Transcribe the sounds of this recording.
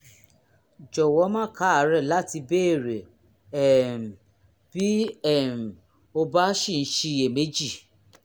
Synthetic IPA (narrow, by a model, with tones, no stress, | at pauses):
d͡ʒɔ˨wɔ˨˦mã˦˨ka˨˦a˨˦ɾɛ˦˨la˦ti˧be˦e˦˨ɾe˨ | ɛ˦˨m̩˨ | b̥i˦ɛ˦˨m̩˨ | o˧ba˦ʃĩ˦˨˦ʃi˧e˨me˨˦d͡ʒi˦˨